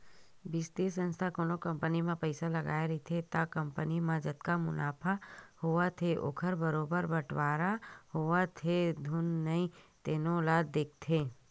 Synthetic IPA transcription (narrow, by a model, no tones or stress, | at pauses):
biːst̪esə̃nst̪ʰakoːnokə̃mpənimãpəɪsaləɡa̰ːeɾit̪ʰet̪akəmpənimãd͡ʒət̪kamʊ̰naːpʰahʊat̪ʰeʔo̰ːkʰəɾbəɾoːbəɾbəʈʰʋaːɾahʊʋat̪ʰed̪ʱʊnːəĩt̪eːnolaːd̪ːeːk̚ʰt̪ʰe